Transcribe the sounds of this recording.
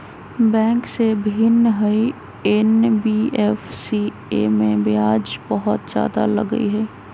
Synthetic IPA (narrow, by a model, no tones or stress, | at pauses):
bɛ̃ːŋksebʱɪnɦəi | ɛnbiɛfsi | eːmẽbjaːd͡ʒbəɦʊt̪za̰ːd̪a̰lɐɡə̰ḭɦɛː